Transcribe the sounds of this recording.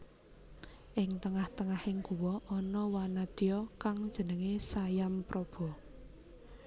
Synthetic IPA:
ʔɪŋt̪əŋaht̪əŋahɪŋɡ̥uwɔʔɔnɔwanad̪̥ijɔkaŋd̥ʒ̥ə̤nəŋesajampɾʔɔb̥ɔ̤

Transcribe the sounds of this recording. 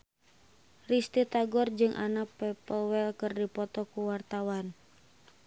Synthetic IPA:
rist̪it̪aɡɔrd͡ʒɨŋʔa̰napɛpəlwɛlkɨrdipɔt̪ɔkuwart̪awan

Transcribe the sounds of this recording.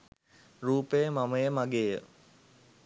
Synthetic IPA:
ɾuːpəjəmaməjəmaɡeːjə̰

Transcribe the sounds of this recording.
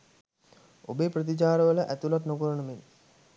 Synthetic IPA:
obeːprət̪̬it͡ʃaːɾəʋələʔæt̪ulaʈnokuɾənəmen

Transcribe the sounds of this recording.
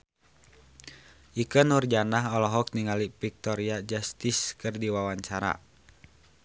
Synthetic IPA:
ʔikənurd͡ʒanaɦɔlɔɦɔk̚niŋalipik̚t̪ɔɾiad͡ʒast̪iskɨrdiwawaɲt͡ʃaɾa̰

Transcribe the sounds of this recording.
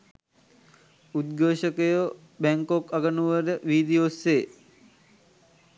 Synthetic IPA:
ud̪̚ɡoːʃəkəjo | bæŋkokaɡənuʋəɾəʋiːd̪ijosːeː

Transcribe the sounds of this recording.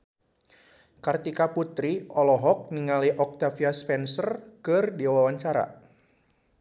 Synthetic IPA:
kart̪ikaput̪ɾiʔɔlɔɦɔk̚niŋaliʔɔk̚t̪afiaspɛnsərkɨrdiawawaɲt͡ʃaɾa̰

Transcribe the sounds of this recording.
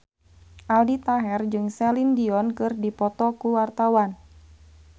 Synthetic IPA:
ʔaldit̪aɦɛrd͡ʒɨŋsɛlindiɔnkɨrdipɔt̪ɔkuwart̪awan

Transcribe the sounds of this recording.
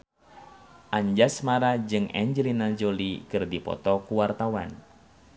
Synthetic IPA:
ʔaɲd͡ʒasmaɾad͡ʒɨŋɛ̰ɲd͡ʒəlinad͡ʒolikɨrdipɔ̰t̪ɔkuwart̪awan

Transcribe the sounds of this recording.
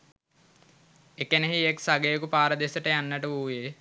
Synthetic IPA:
ekeneɦieksaɡeːkupaːɾəd̪esəʈəjanːəʈəuːje

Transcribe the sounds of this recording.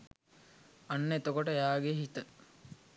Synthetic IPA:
anːet̪okoʈəjaːɡeɦit̪ə

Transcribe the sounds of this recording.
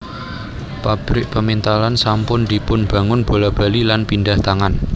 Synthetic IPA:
pab̥ɾɪk̚pəmint̪alansampʊnd̪̥ipʊnb̥a̤ŋʊnb̥olab̥a̤lilanpindaht̪aŋan

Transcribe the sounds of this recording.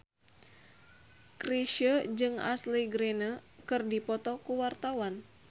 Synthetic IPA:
kriʃəd͡ʒɨŋa̰sliɡɾenəkɨrdipɔt̪ɔkuwart̪awan

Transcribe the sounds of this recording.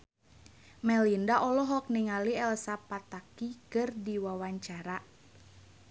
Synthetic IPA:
mɛlindaʔɔlɔɦɔk̚niŋaliɛlsapat̪akikɨrdiwawaɲt͡ʃaɾa

